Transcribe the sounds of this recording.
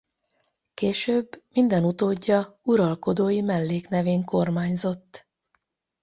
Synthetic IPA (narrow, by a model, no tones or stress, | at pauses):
keːʃøːbmind̪ɛnut̪oːɟːɒuɾɒlko̞d̪oːjimɛlːeːknɛveːŋko̞rmaːɲzo̞t̪ː